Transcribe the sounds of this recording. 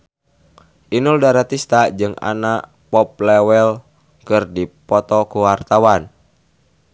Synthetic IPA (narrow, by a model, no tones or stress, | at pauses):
ʔinuldaɾat̪ist̪ad͡ʒɨŋa̰naʔ | pɔp̚lɛwɛl | kɨrdipɔt̪ɔkuwart̪awan